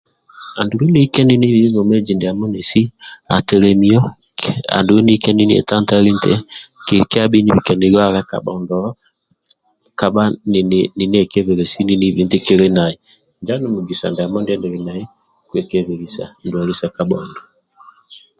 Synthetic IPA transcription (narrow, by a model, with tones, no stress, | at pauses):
a˨ndu˨ɾɛ˦ni˦kɛ˦ni˦ni˦βi˨˦βɔ˨mɛ˦d͡ʒi˨ndɛ˨a˨mɔ˦nɛ˨si˦a̰˨tɛ˨ɾɛ˨mi˦ɔ˦ | a̰˨ndu˨wɛ˦ni˦kɛ˦ni˦ni˦ɛ̰˨ta˦n˦ta˦ɾi˦ntɛ˦kka˦ɓi˦ni˦˨βi˨kɛ˨ni˨ɾa˦ɾa˦ka̰˨ɓɔ̰˨ndɔ˨˦ | ka˨ɓa˦n˨ni˨n˦ɛ˨kɛ˦βɛ˨ɾɛ˨si˦ni˦ni˦βi˨˦nti˦ke˦ɾe˦na˨i˨ | nd͡ʒa˦nɛ˨mu˨ɡi˨sa̰˨nda˨mɔ˦ndɛ˦ndɛ˨ɾɛ˨na˨i˦ | kwɛ˨kɛ˨βɛ˨ɾi˨sa̰˨ndwa˨ɾi˦sa˨ka˨ɓɔ˨ndɔ˨